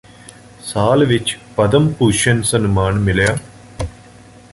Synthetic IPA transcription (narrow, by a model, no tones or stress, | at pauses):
saːlʋit͡ʃpɐd̪ɐmpuːʃɐnsɐnumaːɳmilɐja